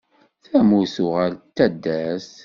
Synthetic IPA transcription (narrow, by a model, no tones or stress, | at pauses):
θæmuθʊʁælt̪ːæd̪ːæs